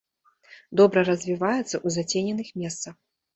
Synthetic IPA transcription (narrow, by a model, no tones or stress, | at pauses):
d̪ɔbɾɐɾɐzʲvʲivajɛt̪sːɐʔuzat͡sʲenʲɛnɨxmʲɛst̪sɐx